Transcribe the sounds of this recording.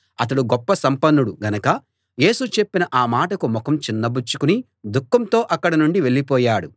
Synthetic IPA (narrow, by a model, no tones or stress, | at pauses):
ɐt̪̬ɐɽuɡɔpːɐsɐmpɐnːuɽuɡɐnɐkɐ | je̞ːsut͡ʃe̞pːinɐʔaːmaːʈɐkumɔkɐmt͡ʃinːɐbut͡ʃːukuni | d̪ukːɐmt̪o̞ːʔɐkːɐɽɐnuɳɖiʋe̞ɭːipɔːjaːɽu